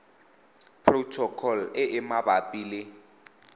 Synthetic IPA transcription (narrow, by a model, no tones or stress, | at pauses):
pʰʼrotʰɔkʰɔlɪʔɪmabapʼiːlɪ